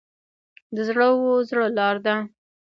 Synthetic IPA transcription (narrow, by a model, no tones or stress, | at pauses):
d̪əzɽəwozɽəlɑɾd̪a